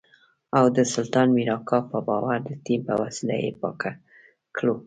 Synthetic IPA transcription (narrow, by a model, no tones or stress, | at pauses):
awd̪əsʊlt̪ɑnmiɾɑkʰɑpəbɑwaɾd̪ət̪impəwasilajḛpɑ̰ka | klo